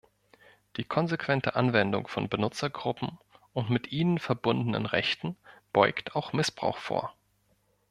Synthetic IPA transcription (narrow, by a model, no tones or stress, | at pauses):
d̥iːkʰɔnzekv̥ɛntʰəʔanvɛndʊ̰ŋfɔnbənʊt͡sɐɡʁʊpm̩ʔʊntmɪtʔiːnənfɛɐbʊndənə̰nʁɛçtn̩b̥ɔʏktʰaʊxmɪsb̥ʁ̥a̰ʊxfo̰ːɐ